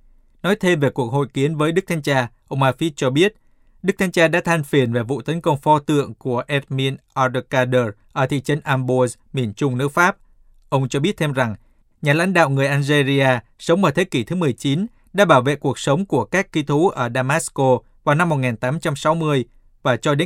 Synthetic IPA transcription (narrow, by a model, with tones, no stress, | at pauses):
nɔ˨˦jt̪ʰe˧mve˨˩ku˨˩ək̚ho̰˧˨jki˨˦ənvəː˨˦jɗɨ˦˥k̚t̪ʰa˧jŋ̟t͡ɕaː˧ʔə˧wŋ͡mʔaː˧fi˦˥t̚t͡ɕɔ˧ɓi˦˥ət̚ | ɗɨ˦˥k̚t̪ʰa˧jŋ̟t͡ɕaː˧ɗa̰ː˧˥t̪ʰa˧jŋ̟fi˨˩ənve˨˩vṵ˧˨t̪ə˨˦nkə˧wŋ͡mfɔ˧t̪ɨ̰˧˨əŋku˧˩əʔɛ˦˥t̚mi˧ənʔɔ˧də˧kaː˧ɗəː˧˩ʔəː˧˩t̪ʰḭ˧˨t͡ɕə˨˦nʔaː˧mɓo˧z | mi˨˩ənt͡ɕʊ˧ŋ͡mnɨ˦˥k̚faː˦˥p̚ | ʔə˧wŋ͡mt͡ɕɔ˧ɓi˦˥ət̚t̪ʰe˧mza˨˩ŋ | ɲaː˨˩la̰˧˥jŋ̟ɗa̰ː˧˨wŋɨ˨˩əjʔaː˧nze˧zi˧aː˧sə˨˦wŋ͡mmaː˧˩t̪ʰe˨˦ki˧˩t̪ʰɨ˨˦mɨ˨˩əjt͡ɕi˨˦n | ɗa̰ː˧˥ɓaː˧˩wvḛ˧˨ku˨˩ək̚sə˨˦wŋ͡mku˧˩əkaː˦˥kkːi˧t̪ʰu˨˦ʔəː˧˩ɗaː˧maː˦˥sko˧ | vaː˨˩wna˧mːo˨˩t̚ŋaː˨˩nt̪aː˨˦mt͡ɕa˧msa˨˦wmɨ˧əj | vaː˨˩t͡ɕɔ˧ɗe˨˦